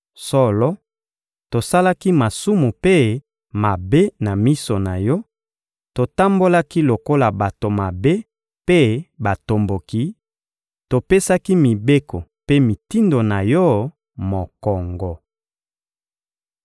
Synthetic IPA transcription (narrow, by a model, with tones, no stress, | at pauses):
sɔ˦lɔ˦ | to˨sa˦la˦ki˦ma˨su˦mu˨pe˦ | ma˨be˦na˨mi˦so˨na˨jɔ˦ | to˨ta˦mbo˦la˦ki˦lo˨ko˦la˨ba˨to˨ma˨be˦ | pe˦ba˨to˨mbo˨ki˨˦ | to˨pe˦sa˦ki˦mi˨be˦ko˨pe˦mi˨ti˦ndo˨na˨jɔ˦ | mo˨kɔ˨ŋɡɔ˨